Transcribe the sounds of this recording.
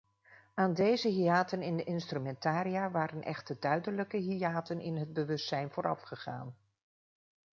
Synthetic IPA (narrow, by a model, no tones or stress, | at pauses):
aːndejzəɦiaːtənɪndəʔɪnstrymɛntaːɾijaːʋaːɾənʔɛ̰χtədœɥdənləkəɦiaːtənɪ̰nɦəd̚bəʋɵstsɛjnvʊːɾʔɑ̰fχəχa̰ːn